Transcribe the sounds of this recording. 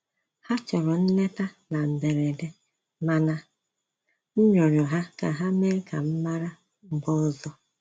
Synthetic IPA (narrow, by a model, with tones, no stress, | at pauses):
ha˦t͡ʃɔ˨ɾɔ˨n̩˦ne˦ta˦na˨n̩˨de˨ɾe˨de˦ | ma˦na˦ | n̩˦ɲɔ˨ɾjɔ˨ɦa˦ka̰˨ɦa˦me˦ka˨m̩˦ma˦ɾa˦˨ | ɡ͡bɔ˦zɔ˦